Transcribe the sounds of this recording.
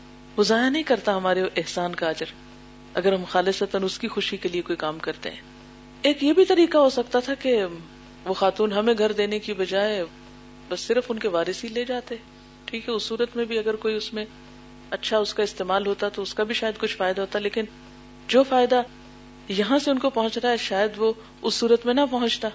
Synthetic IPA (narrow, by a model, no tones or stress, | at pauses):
bʊzaːjanɐɦĩkɐɾt̪aɦɐmaːɾeʔɪɦsaːnkaːd͡ʒəɾ | ɐɡəɾɦɐmxaːlɪsət̪ənʊskixʊʃikeliekoːikaːmkɐɾt̪ḛɦɛ̰̃ː | eːkjebʱit̪ɐɾiːkaɦosɐk̚t̪at̪ʰake | ʋoxaːt̪uːnɦɐmẽɡʱɐɾd̪eːnekibɐd͡ʒaːe | bɐsːɪɾfʊnkeʋaːɾɪsɦileːd͡ʒaːt̪eɛː | ʈʰiːkɦɛʊsːuːɾət̪mẽbʱiɐɡəɾkoːiʊsmẽ | ɐtːʃʰaʊskaɪst̪eːmaːlɦoːt̪at̪oʊskabʱiʃaːjəd̪̚kʊt͡ʃʰfaːɪd̪aɦoːt̪aleːkɪn | d͡ʒoːfaːɪd̪a | jɐɦãseʊnkopɐɦʊ̃t͡ʃt̪aɛʃaːjəd̪ʋo | ʊsːuːɾət̪mẽnɐpɐɦʊ̃t͡ʃt̪aː